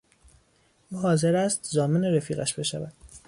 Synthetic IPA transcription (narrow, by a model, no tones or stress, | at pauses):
ʔuɦɒːze̞ɾæst̪zɒːmeneɾefiːɣæ̰ʃb̥e̞ʃævæd̪̥